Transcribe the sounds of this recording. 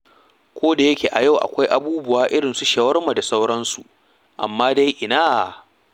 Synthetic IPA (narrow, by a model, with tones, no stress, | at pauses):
kʷoː˦da˨jɐ˦kʲeː˨ʔa˨ja˦˨wʔa̰˨kʷa˦jʔa˨buː˦bʊ˦waː˦ʔɪ˦ɽɪ˨nsu˦ʃɐ˨wɐ˦rma˨da˨sa˦wɽɐ˦nsu˨ʔ | ʔa̰˨mːaː˦da˦jʔɪ˨naː˦˨